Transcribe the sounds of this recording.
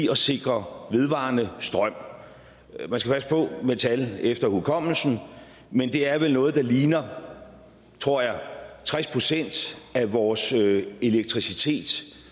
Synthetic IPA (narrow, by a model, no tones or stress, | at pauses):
ɒ̽se̝ɡ̥ʁɐʋe̝ðˠʋɑ̈nəsd̥ʁɶm̰ | mænsɡ̥æpʰæsə̥pʰɒ̽met͡sʰælefd̥ɐhuðˠkʰɒ̽m̰l̩sn̩ | mend̥e̝æɐʋelnɔ̽ːð̞̩ˠd̥ɑ̈liːnɐ | t͡sʰʁo̝ɐ̰jɑ̈t͡sʰʁɛspʰʁo̝sen̰d̥æʋɒːse̝leɡ̥̚t͡sʰʁisit͡sʰe̝̰ːd̥